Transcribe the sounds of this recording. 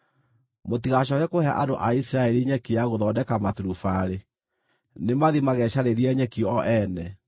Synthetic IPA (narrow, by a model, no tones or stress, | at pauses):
motiɣaɕɔɣɛkohɛa̰ʔadoʔaisiɾaɛɾiɲɛkiaɣoðɔdɛkamatuɾufaɾe | nemaðimaɣɛɕaɾeɾiɛɲɛkiɔʔɛnɛ